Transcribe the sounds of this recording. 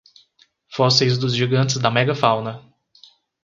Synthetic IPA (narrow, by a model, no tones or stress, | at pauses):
fɔsejzd̪ʊzʒiɡɐ̃nt̪ɪzd̪ɐmɛɡɐfawnɐ